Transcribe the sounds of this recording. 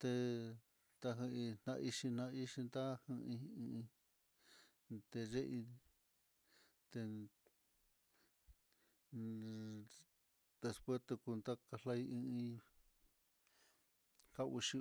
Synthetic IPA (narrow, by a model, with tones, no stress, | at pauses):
t̪e˧ | t̪a˧ɦɨ̃˧i˧n̥nã̰˧ʔi˧ʃi˧n̥ã˧i˦ʃi˧nd̪a˦hɨ̃˧ĩ˧ĩ˧ĩ˧ | t̪e˧ʐe˦ʔi˧ | t̪e˧ | d̪e˧spwe˦st̪e˧ku˧nd̪a˦ka˧la˦i˧ĩ˧ĩ˧ | ka˦u˧ʃi˦˧